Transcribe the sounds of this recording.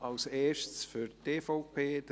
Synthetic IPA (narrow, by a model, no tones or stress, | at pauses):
ɑlseːʃsfyɾteːfɔʊpʰeːd̥̪